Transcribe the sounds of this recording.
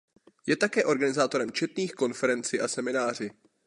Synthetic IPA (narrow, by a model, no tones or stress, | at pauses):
jɛt̪akɛːʔo̞ɾɡanɪzaːt̪o̞ɾɛmt͡ʃɛt̪niːxko̞nfɛɾɛnt͡sɪʔasɛmɪnaːr̝ɪ